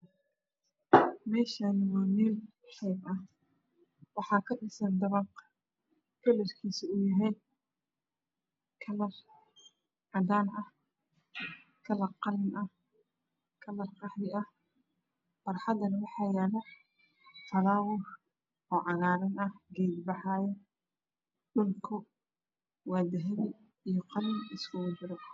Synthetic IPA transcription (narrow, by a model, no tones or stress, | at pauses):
mɛːʃanɪwɔːnil | ħɛbɐh | wɑħɑːkʰɐɗɪsɐnd̪ɐβɐq | kʰɐlɐrkʰiːsɪʊjɐɦɛjn | kʰɐlɐr | ʕɑd̪aːnʔɐh | kʰɐlɐqɑlɪnʔɐh | kʰɐlɐrqɑħd̪ɪʔɐh | b̥ɐrħɑd̪ɐnɐwɑħɑːjɛːlɐ | fɐɾaːwʊr | ɔːʕɑɣaːɾɐnɐhɡɛjd̪bɑħɑːjɐ | ɗʊlkʰɔ | waːd̪ɐɦɛβɪ | ijɔqɑlɪnɪskʰʊwʊd͡ʒɪɾɐ